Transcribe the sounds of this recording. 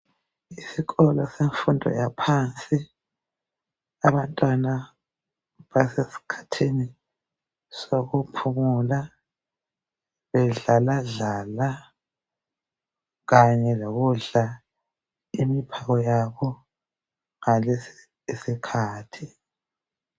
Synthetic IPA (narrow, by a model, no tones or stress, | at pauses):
isiɣɔlɔseɱfundʱɔ̰japʰant͡sʼi | aβantʼwana | βasesi̥kʰḁtʰini | soɣupʰumula | βɛɮalaɮaːla | ɣaɲɛloɣuɮa | imipʰaɣɔjaβɔ | ŋalesi̥ | sikʰaːtʰi